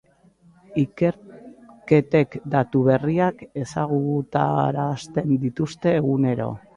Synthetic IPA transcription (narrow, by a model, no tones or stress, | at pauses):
ike̞ɾke̞t̪e̞kd̪at̪uβ̞e̞riake̞saɣ̞ut̪a̰ɾaːst̪e̞nd̪it̪ust̪e̞ːɣune̞ɾo̞̰